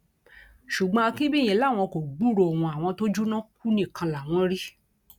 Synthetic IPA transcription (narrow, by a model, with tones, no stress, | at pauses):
ʃu˨ɡ͡bɔ̃˧kĩ˦bi˦˨j̃ĩ˧˨la˦˨w̃ɔ̃˧ko˨ɡ͡bu˦˨ɾo˨wũ˧a˨w̃ɔ̃˧to˦d͡ʒu˦nã˦k̚u˦nĩ˦˨kã˧la˨w̃ɔ̃˧˦ɾi˦